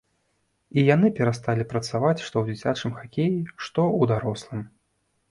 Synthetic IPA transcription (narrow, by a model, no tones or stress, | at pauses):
ijanɨpʲɛɾast̪alʲipɾɐt̪savat͡sʲʂt̪ɔwd͡zʲit͡sʲat͡ʂɨmxakʲejiʂt̪ɔud̪aɾɔslˠɨm